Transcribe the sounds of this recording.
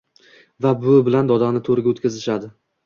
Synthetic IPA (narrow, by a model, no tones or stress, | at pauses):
vabʊbɪland̪ɒd̪anɪt̪ʰoɾɪɡʲot̪kʲazɪʃad̪ɪ